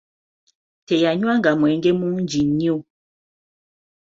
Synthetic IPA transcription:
tɛjaɲwaŋɡamwɛŋɡɛmund͡ʒiɲiu

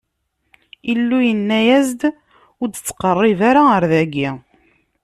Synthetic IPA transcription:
ilːujənːæjæzd̪ | ʊɾd̪t͡sːqərˤːivaɾaəɾðæɡi

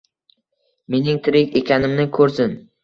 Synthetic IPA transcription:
me̞nɪŋt̪ʰɪɾɪkʲe̞kʲʰanɪmnɪkʰɵɾsɪn

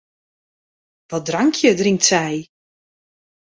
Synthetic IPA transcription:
ʋɔdraŋkʰjədrɪŋktsɛj

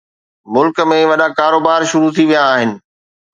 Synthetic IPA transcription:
mʊlkmẽʋɐɗakaːɾoːbaːɾʃʊɾut̪ʰiʋijãːɦɪnɪ̆

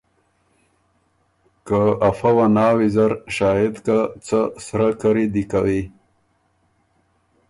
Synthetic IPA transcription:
kaafawanɑːwizaɾʃɑːjɪd̪kat͡sasɾakaɾid̪ikawi

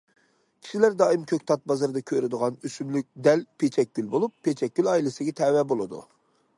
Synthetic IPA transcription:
kʲʰi̥ʃilæɾd̪ɑːimkʲʰøk̚ʲt̪ʰɑt̪̚bɑzɨɾd̪ɑkʲʰøɾɪd̪əʁɑnysymlyk̚ʲd̪ɛlpʰet͡ʃʰɛk̚ʲɡʲylbolˠupʰːet͡ʃʰɛk̚ʲɡʲylɑilˠɨsɪɡʲɛt̪ʰɛwɛbolˠɨd̪ṵ

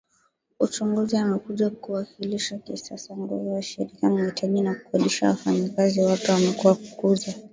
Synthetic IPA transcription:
ut͡ʃuŋɡuziamɛkuʄakuwakiliʃakisasaŋɡuvuwaʃɛɾikamuhitʰaʄinaku̥kaɗiʃa̰wafaɲakaziwatuwamɛkuwaku̥kuza

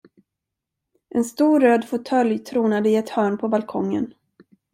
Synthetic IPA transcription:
ʔɛnst̪uːɾøːd̪fʊt̪ʰœljt̪ʰɾuːnad̪əɪɛt̪hœːɳpʰɔbalkʰɔŋːə̰n

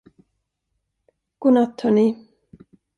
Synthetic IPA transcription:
ɡ̥uːnat̪hœːɳi

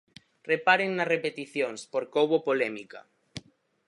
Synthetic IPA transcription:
repaɾeŋnarepet̪iθjoŋspoɾkoβopolemika̰

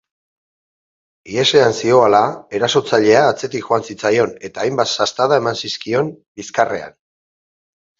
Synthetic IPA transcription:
ie̞se̞ansio̞alae̞ɾaso̞t͡saʎe̞aːt͡se̞t̪ikxoansit͡sajo̞ne̞t̪aːjmbat̪sast̪aðae̞mansiskio̞mbiskare̞̰a̰n

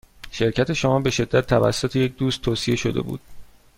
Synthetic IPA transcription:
ʃe̞ɾcʰæt̪ʰe̞ʃomɒːbe̞ʃe̞d̪ːæt̪ʰːævæ̰sːot̪ʰejec̚d̪uːst̪ʰːoːsie̞ʃod̪e̞̰bṵːd̪̥̚

